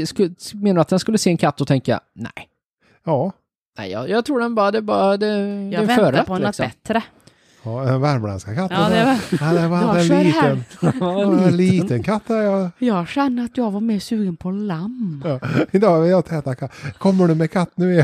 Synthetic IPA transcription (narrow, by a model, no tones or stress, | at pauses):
skmeːnaɾat̪̚d̪ɛnskɵlːəseːɛnkʰat̪ːɔt̪ʰɛŋka̰næ̰ɪ | jɑː | næ̰ɪjɑ̰jɑːɡt̪ʰɾuːɖɛnbɑːɾad̪ɛːbɑːɾad̪ɛd̪ɛvfœːɾpɔɛnlksɔbɛt̪ːɾə | ɑɛnvæɾmla̰nskakʰat̪ːənaɛvad̪ɛliːt̪ːən | ɛnliːənkʰat̪ːhæɾjɑjɑːɡɕɛnːəɾat̪jɑːɡvaɾmeːsʉːɡənpʰɔlamː | ɪnt̪əaɪat̪ʰɛːt̪akʰatːkʰɔmːəɳʉmɛkʰat̪ːnʉ̟ː